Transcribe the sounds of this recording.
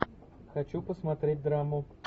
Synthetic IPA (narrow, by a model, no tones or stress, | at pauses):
xat͡ɕupɔsmat̪ɾʲed̚ʲd̪ɾamʊ